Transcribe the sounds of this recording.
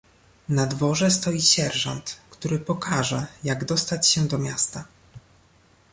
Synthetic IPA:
nad̪vɔʐɛst̪ɔjiɕɛɾʐɔ̰nt̪kt̪uɾɘpɔkʰaʐɛjaɡd̪ɔst̪at͡ɕɕɛd̪ɔmʲjast̪a

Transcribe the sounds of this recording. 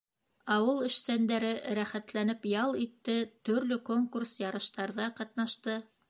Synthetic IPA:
ɑwɤlˠɵ̆ʃsænd̪æɾɘɾæχæt̪lænɘpjɑlˠit̪ːɘt̪ɵ̆ɾlɵkoŋkursjɑɾɤ̆ʃt̪ɑɾðɑqɑt̪̚nɑʃt̪ɤ

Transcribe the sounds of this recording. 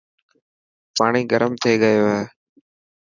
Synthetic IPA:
paːɽ̃iːɡəɾəmt̪ʰeːɡəjoːɦeː

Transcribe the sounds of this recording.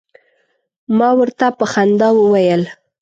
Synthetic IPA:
mɑwəɾt̪apəxand̪ɑwəwajəl

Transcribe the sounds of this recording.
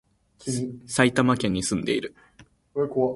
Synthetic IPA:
sait̪amakẽ̞ɲ̟ːisɨ̃nd̪e̞iɾɯ̟ | k

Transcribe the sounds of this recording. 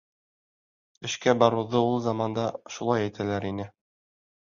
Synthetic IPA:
ɘ̆ʃkæbɒɾuðɤulˠzɑmɑnd̪ɑʃulˠɑjæjt̪ʰælæɾinɘ

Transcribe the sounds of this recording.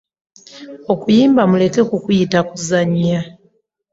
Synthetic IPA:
o̞kujiːmbamule̞ke̞kukujitakuzaɲa

